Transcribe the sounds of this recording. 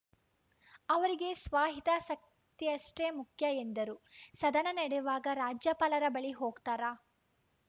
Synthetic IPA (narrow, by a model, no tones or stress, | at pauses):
ɐʋɐɾiɡe̞sʋaːɦit̪asɐk̚ | t̪iɐʂʈemukʰjɐend̪ɐɾusɐd̪ɐnɐnɐɽɛjuʋaːɡɐɾaːd͡ʒjɐpaːlɐɾɐbɐɭiɦoːɡt̪aːɾaː